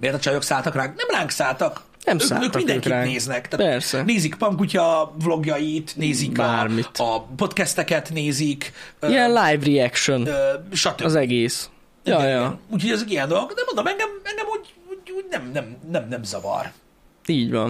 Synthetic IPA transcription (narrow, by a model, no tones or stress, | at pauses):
meːrt̪ɛt͡ʃɒjo̞ksaːlt̪ɒkraːŋknɛmlaːŋksaːlt̪ɒk | nɛmsøːa̰ːløːt̪ind̪ɛkiraːŋneːznɛkt̪apɛɾsɛneːzikpɒŋkucɒvlo̞ɡjɒjit̪neːzikbarmit̪ɒpo̞t̪kɛst̪ɛkɛt̪neːzikiɛnlajvriɛkʃønøʃɒt̪øzɛɡeːs | ijɒjɒuːcʰho̞ɟɛzeɡiɛnd̪o̞lo̞ɡd̪ɛmond̪o̞mɛŋɡɛmɛŋɡɛmhoɟhoɟhoɟnɛmnɛmnɛmnɛmzɒvɒ̰r | iːɟʋɒn